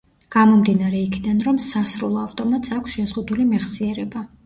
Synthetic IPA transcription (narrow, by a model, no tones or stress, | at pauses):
ɡ̥amɔmd̪inaɾɛikʰid̪anɾɔmsasɾulˠɔavt̪ʼɔmat̪sakʷʰsʃɛzʁud̪ulimɛχsiɛɾɛba